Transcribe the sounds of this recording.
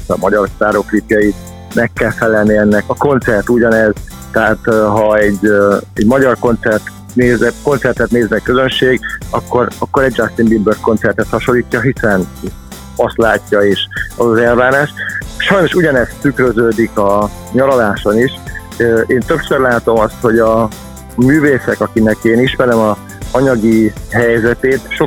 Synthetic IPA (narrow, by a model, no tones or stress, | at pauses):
ɒ̰mɒɟɒrst̪aːɾoklipjɒjit̪̚ | mɛkːɛlfɛlɛlniɛnːɛkɒko̞nt̪sɛrt̪uɟɒnɛz̥ | t̪ɛɦat̪ɦɒɛɟːɛɟmɒɟɒrko̞nt̪sɛrt̪ | neːzɛko̞nt̪sɛrt̪ɛt̪neːzmɛkø̞zønʃeːɡɒkːo̞ɾɒkːo̞ɾɛɟ̚d͡ʒakst̪inb̪imbørt̪̚ko̞nt̪sɛrt̪ɛt̪hɒʃo̞lːiːcːɒɦisɛn | ɒst̪laːcːɒeːʃɒzɒzɛlvaːnaːʃt̪ʃɒjno̞ʃuɟɒnɛst̪ykɾøzøːd̪ikɒ | ɲɒlɒlaːʃo̞niʃ | øeːnt̪ø̞psørlaːt̪o̞mɒst̪ho̞ɟɒ | myːveːsɛkɒkinɛkeːniʃmɛɾɛmɒ | ɒɲɒɡiɦɛjzɛt̪eːt̪ʃo